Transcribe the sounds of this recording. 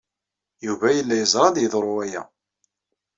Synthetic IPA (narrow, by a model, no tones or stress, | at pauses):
juvæjəlːæjəzˤɾˤɑðjəðˤɾˤʊæjæ